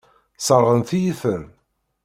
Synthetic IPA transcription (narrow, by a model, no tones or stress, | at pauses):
sˤəɾˤʁənθijifən